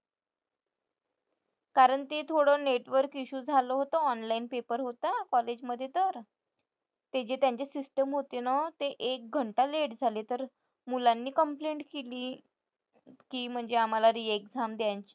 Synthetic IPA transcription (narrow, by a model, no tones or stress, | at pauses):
kaɾəɳt̪et̪ʰoɽəːneʈʋəɾkiɕuːd͡zʱaloɦot̪oɔnlainpepəɾɦot̪akɔled͡ʑməd̪ʱːjet̪əɾ | t̪ed͡ʑet̪jaɲt͡ɕesisʈəmɦot̪enɔt̪eʔek̚ɡʱəɳʈaleɽd͡zʱalet̪əɾ | mulanːiːkəmpleɳʈkeliː | kiːm̤əɳd͡zeam̤alaɾiekd͡zʱamd̪jaɲt͡ɕi̥